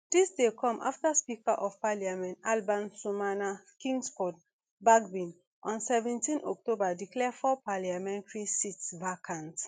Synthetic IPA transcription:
d̥isdekʰɔ̃mʔa̰ftaspikaʔɔv̥paliamɛ̃nalbãnsumana | kĩŋɡsfɔd̚ | baɡbĩn | ʔɔ̃nsɛvɛ̃ntĩnɔ̰k̚tobadiklɛfɔpaliamɛ̃ntɹisitsvakʰãnt

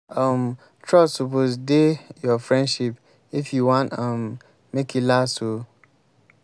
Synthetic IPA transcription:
am | tʰɹɔssoposdejɔfɹɛ̃ndʃip | ifjuwãntãmː | ekilaso

